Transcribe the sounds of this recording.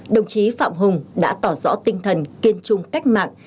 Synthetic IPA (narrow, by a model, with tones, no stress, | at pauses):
ɗə˨˩wŋ͡mt͡ɕi˨˦fa̰ː˧˨mɦʊ˨˩ŋ͡mɗa̰ː˧˥t̪ɔ˧˩zɔ̰˧˥t̪ï˧ŋt̪ʰə˨˩nki˧ənt͡ɕʊ˧ŋ͡mka˦˥jk̟̚ma̰ː˧˨ŋ